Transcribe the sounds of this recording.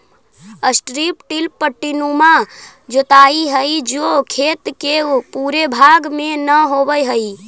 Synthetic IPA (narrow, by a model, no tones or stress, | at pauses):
əsʈɾipʈilpəʈːinuma | d͡ʒot̪aiɦəid͡ʒokʰet̪kepuɾebʱaɡmenəɦobəjɦəi